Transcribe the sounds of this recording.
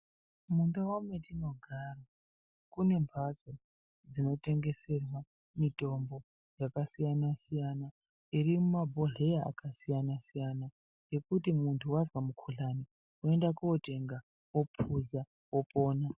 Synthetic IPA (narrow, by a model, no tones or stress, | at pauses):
mundawometino̞ɡʱaːra | kune̞mpʰat͡so | d͡zino̞te̞ŋɡe̞se̞rwa | mito̞mbo̞ | jakasijanasijana | irimumabʱo̞ɮeaa̰kasijanasijana | je̞kutimuntʰuwazwamukʰuɮani | ue̞ndakuote̞ŋɡa | wo̞pʰuza | opo̞ːna